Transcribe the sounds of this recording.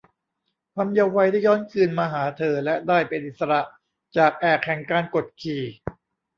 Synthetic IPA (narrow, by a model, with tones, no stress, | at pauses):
kʰaː˧mjaː˧wa˧jdaː˥˩jɔː˦˥nkʰɯː˧nmaː˧ɦaː˩˦t̪ʰɤː˧lɛ˦˥ʔdaː˥˩jpe˧nʔi˨t̪̚sa˧ɾa˨˩ʔ | t͡ɕaː˨˩k̚ʔɛː˨˩k̚hɛ˨˩ŋkaː˧nko˨˩t̪̚kʰiː˨˩